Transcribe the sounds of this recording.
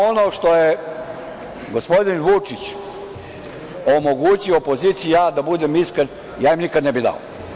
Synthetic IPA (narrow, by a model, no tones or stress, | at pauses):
ono̞ːʃt̪o̞je | ɡo̞spo̞d̪inʋut͡ʂit͡ɕ | omo̞ɡut͡ɕioopo̞zit̪sijujaːd̪abud̪emiskɾen | jaːjimnikad̪nɛbid̪a̰o̰